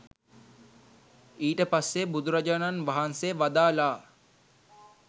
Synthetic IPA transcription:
iːʈəpasːebud̪uɾad͡ʒananʋaɦanseʋad̪aːlaː

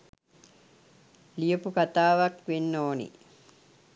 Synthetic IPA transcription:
lijəpukat̪aːʋakʋenːoːnḭ

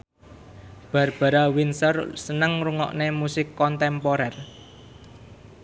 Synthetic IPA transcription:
b̥a̤rb̥a̤ɾawinsərsənəŋruŋɔ̰ʔnemusɪkːɔnt̪ɛmpoɾɛr

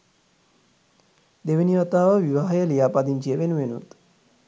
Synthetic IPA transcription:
d̪eʋeniʋat̪aːʋəʋiʋaɦɐjəlijaːpad̪iɲt͡ʃijəʋenuʋenṵt̪

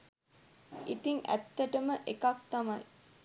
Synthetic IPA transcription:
it̪iŋʔæ̰t̪ːəʈəməʔekak̚t̪amɐj

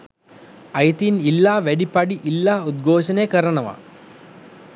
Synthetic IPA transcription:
ɐjt̪inilːaːʋæɖipaɖiʔilːaːud̪̚ɡʱoːʃənejkəɾənəʋa̰

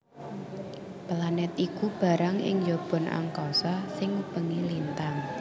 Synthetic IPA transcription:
planɛt̪̚ikub̥a̤ɾaŋɪ̰ŋjob̥ɔ̤nʔa̰ŋkɔsasɪŋpəŋilint̪aŋ

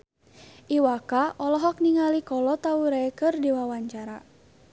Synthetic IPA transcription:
ʔiwakaʔɔlɔɦɔk̚niŋalikɔlɔt̪auɾaɛkɨrdiwawaɲt͡ʃaɾa

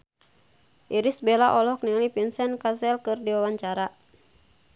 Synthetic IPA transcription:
ʔiɾisbɛlaʔɔlɔhkniŋlipinsɛnkasɛlkɨrdiwawaɲt͡ʃaɾa

